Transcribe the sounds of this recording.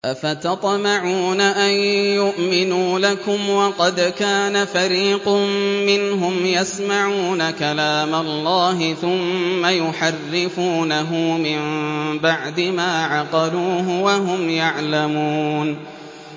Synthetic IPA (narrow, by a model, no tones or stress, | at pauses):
ʔafat̪ɑt̪ˤmɑʕuːnaʔajjʊʔmɪnuːlakʊmwɑqɑd̪kaːnafaɾiːqʊmːɪnɦʊmjasmaʕuːnakalaːmalˤːɑːɦɪθʊmːajʊħarːɪfuːnaɦʊmɪmbaʕd̪ɪmaːʕɑqɑluːɦʊwaɦʊmjaʕlamuːn